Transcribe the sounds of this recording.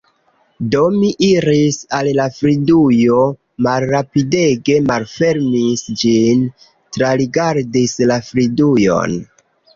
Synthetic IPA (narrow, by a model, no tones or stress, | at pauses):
do̞miʔiɾisallafɾidujo̞ | malɾapide̞ɡe̞malfe̞ɾmisd͡ʒin | tɾaɾiɡaɾdislafɾidujo̞̰n